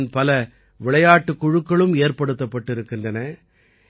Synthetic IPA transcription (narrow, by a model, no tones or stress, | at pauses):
npɐlɐ | ʋɪɭɐjaːʈːɯkːʊɻɯkːɐɭɯmeːɾpɐɽɯt̪ːɐpːɐʈːɪɾɯkːɪndrɐnɐ